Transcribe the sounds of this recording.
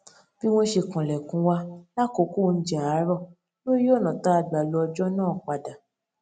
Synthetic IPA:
b̥i˦w̃ɔ̃˦ʃe˧˨kã˨lɛ˨kũ˧˦wa˧la˦ko˨˦ku˦˨n̩˦d͡ʒɛ˨a˨˦ɾɔ˦˨ | lo˦ɾi˦jo˦˨nã˨ta˨˦a˧ɡ͡ba˨lɔ˧ɔ˧d͡ʒɔ˦nãː˦˨k͡pa˧˨da˨

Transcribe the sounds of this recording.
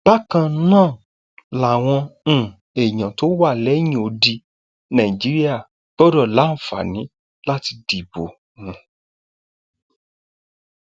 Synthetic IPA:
b̥a˦kã˧nãː˦˨ | la˨w̃ɔ̃˧˦˨ | e˨j̃ã˨to˦wa˦˨lɛ˨˦j̃ĩ˧˨o˧di˧ | nã˨i˨d͡ʒi˨˦ɾi˦a˦˨ | ɡ͡b̥ɔ˦dɔ˦˨la˨˦n̩˨fa̰˨nĩ˨˦ | la˦ti˧di˨bo˨ | nũ˨˧

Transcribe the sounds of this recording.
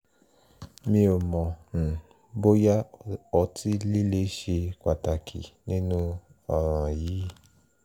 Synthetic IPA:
mĩ˧o˨mɔ̃˨ | bo˦ja˦ɔ˧ti˦li˦le˦ʃe˧ka˨ta˨kʰḭ˨nĩ˦nũ˦ | ɔ˧˨ɾ̃ã˨jiː˨˦

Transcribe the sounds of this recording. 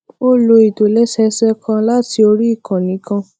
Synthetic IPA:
o˦lo˧i˨to˨lɛ˦sɛ˧sɛ˦kʰã˦la˦ti˧o˧ɾi˦i˦˨kʰã˨nĩ˨˦kã˧

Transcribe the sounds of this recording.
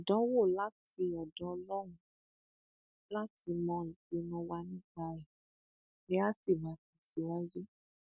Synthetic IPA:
ɔ˨dɔ˨˦wo˦˨la˦ti˧ɔ˨dɔ˨˦ɔ˧lɔ˦w̃ũ˦ | la˦tʰi˧mɔ̃˧i˨k͡pe˧nɔ̃˧wa˧nĩ˦ɡ͡ba˧ɛ˨ | e˦a˦si˦˨mãː˨˦fĩ˨si˨˦a˦je˦

